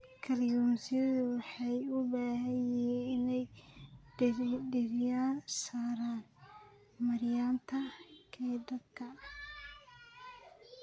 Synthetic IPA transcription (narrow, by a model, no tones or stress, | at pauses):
kʰɐrjumsɪɐðʊwɑħɑjʊbaːɦɐjɛnɪnɛj | ɖɪrjaːsaːɾaːn | mɐɾjaːnt̪ʰɐkʰɛjd̪ɐdkʰɐ